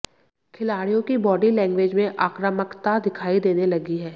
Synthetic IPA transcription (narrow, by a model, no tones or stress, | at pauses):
kʰɪlaːɽijõkibɔːɖilɛ̃ːŋɡʋeːd͡ʒmẽʔaːkɾəməkt̪ad̪ɪkʰaːid̪eːnelɐɡiɦɛː